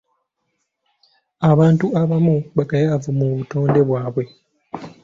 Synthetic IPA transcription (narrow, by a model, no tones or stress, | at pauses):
aβaːntuaβamuβakajavumuβuto̞ːnde̞βwaːβwe̞